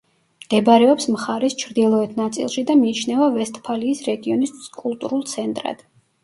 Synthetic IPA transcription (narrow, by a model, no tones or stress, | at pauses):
md̪̥ɛbɾɛɔpsmχaɾɛst͡ʃʰɾd̪ilˠɔɛt̪ʰnat̪sʼḭlˠʃid̪amiːt͡ʃʰnɛvavɛst̪ʼpʰaliːsɾɛɡiɔniskʼulˠt̪ʼuɾulˠt̪sʰɛnt̪ʼɾa̰d̪̥